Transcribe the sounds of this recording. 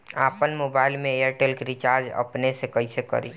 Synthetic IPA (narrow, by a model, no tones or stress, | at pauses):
apənmobailmeeɾʈelkɾit͡ʃaɾd͡ʒə̰pnesekəisekə̰ɾḭ